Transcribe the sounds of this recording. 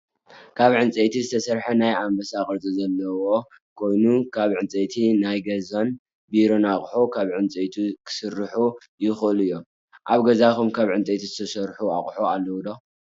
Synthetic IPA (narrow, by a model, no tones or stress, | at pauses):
kʰaβʕɨnt͡sʼet̪ʰizɨt̪ʰɐsɐɾħɐnajambɐsakʼɨɾt͡sʼizɐlːɐwo̞ | kʰo̞jnukʰaβʕɨnt͡sʼet̪ʰinajɡɐzon | biɾo̞naχʼħukʰaβʕɨnt͡sʼet̪ʰikʰɨ̥sɨrːɨħu | jɪxʔɨlɨjːo̞m | ʔaβɡɐzakumkʰaβʕɨnt͡sʼet̪ʰizɨt̪ʰɐsɐɾħua̰χʼħoalːɐwd̪o